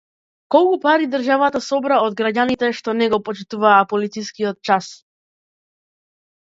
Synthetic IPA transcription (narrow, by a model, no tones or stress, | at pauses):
kɔlˠkupaɾid̪rʒavat̪asɔbɾaɔd̪̚ɡɾaɟanit̪ɛʃt̪ɔnɛɡɔpɔt͡ʃit̪uvaːpɔlit̪siskijɔt̪̚t͡ʃas